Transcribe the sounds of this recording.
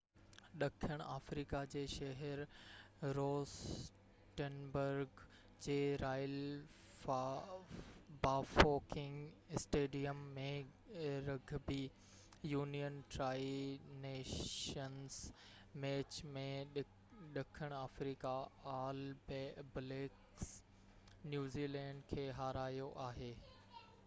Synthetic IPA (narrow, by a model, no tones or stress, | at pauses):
ɗɐkʰəɽ̃ʔaːfɾiːkad͡ʑeːʃɐɦɛɾ | ɾoːs | ʈənbəɾɡ | d͡ʑeːɾaːɪl | baːfoːkɪ̃ŋɡ | sʈeːɖijəmːẽɾɐɡʱbi | juːnijənʈɾaːineːʃəns | mɛːt͡ɕmẽɗ | ɗɐkʰəɽ̃aːfɾiːkaaːlbbleːk | s | njuːziːlɛ̃ːɳɖkʰeːɦaːɾaːjoʔaːɦeː